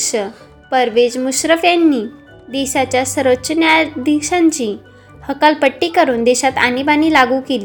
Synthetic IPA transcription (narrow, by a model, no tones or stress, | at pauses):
ʂə | pəɾʋed͡ʑmusɾəfjanːiː | d̪iɕat͡ɕjasəɾot͡ɕnjad̪ʱiɕãɲt͡ɕiː | həkalpəʈːiːkəɾuːnd̪eɕat̪a̰nibaniːlaɡukeli